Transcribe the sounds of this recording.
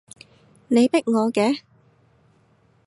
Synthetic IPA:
ne˨˧jpɪ˥k̚ŋɔː˨˧kɛː˨˥

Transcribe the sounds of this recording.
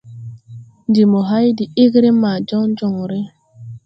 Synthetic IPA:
n˨di˨mo˨ɦa˦jdi˨i˦ɣɾe˦ma˨d͡ʒɔ˦ŋ˦d͡ʒɔ˦˨ŋ˨ɾɪ˦

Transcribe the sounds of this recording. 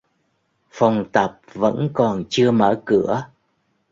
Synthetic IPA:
fa˨˩wŋ͡mt̪ə˨˩p̚və̰˧˥nkɔ˨˩nt͡ɕɨ˧əməː˧˩kɨ˧˩ə

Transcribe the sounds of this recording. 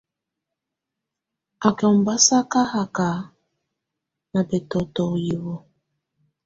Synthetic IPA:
a˨kɛ˨ɔ˨m̩˨ba˦sa˦ka˦ha˨ka˨ | na˨bɛ˨tɔ˨tɔ˨ji˨βɔ˦

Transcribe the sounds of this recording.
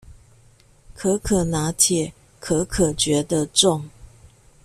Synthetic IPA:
kʰɤ˧˥˦kʰɤ˨˩na˧˥t̪ʰjɛ˨˩ | kʰɤ˧˥kʰɤ˨˩t͡ɕɥɛ˨˧˥d̪ə˧ʈ͡ʂʊ˥˩ŋ

